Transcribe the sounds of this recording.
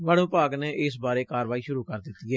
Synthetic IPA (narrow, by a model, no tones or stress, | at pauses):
ʋəɽõːpaːɡneːʔɪsbaːɾeːkaːɾʋaːiːʃʊɾuːkəɾd̪ɪt̪ːiːɛː